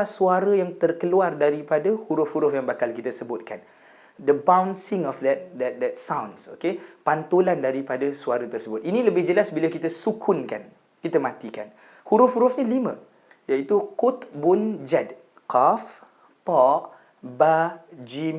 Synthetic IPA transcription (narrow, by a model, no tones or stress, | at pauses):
asuaɾəjaŋt̪ərkəluardaɾipadahuɾʊfhuɾʊfjaŋbakalkit̪asəbʊt̪̚kan | dəbawnsɪŋɔfdɛt̪̚dɛt̪̚dɛt̪̚sawnsokepant̪olandaɾipadasuaɾat̪ərsəbʊt̪̚inĩləbɪhd͡ʒəlasbilakit̪asukʰʊnka̰n | kit̪amãt̪ikan | huɾʊfhuɾʊfɲəlimə̃ | jait̪ukut̪bʊnd͡ʒad̚ | kɔf | tɔʔ | bad͡ʒim